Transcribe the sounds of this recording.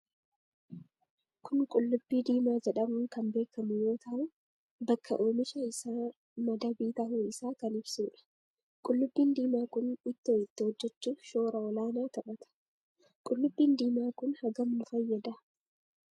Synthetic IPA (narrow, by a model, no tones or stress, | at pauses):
kʰʊŋkʼʊlːʊbːiːd̪iːmaːd͡ʒɛᶑɐmʊkɐmbe̞ːkːɐmʊjo̞ːt̪ʰɐʔʊ | bɐkʰːɐ̰ʔoːmɪʃɐɪsaː | mɐd̪ɐbiːt̪ɐhuːɪsaːkɐnɪbsuːᶑɐ̥ | kʼʊlːʊbːiːnd̪iːmaːkʊnɪt̪ːoːɪt̪ːɪhɔd͡ʒːɛt͡ʃːuːʃoːɾɐɔlaːnaːt̪ɐɓɐt̪ɐ̥ | kʼʊlːʊbːiːnd̪iːmaːkʊnhɐɡɐmnʊfɐjːɐd̪ɐ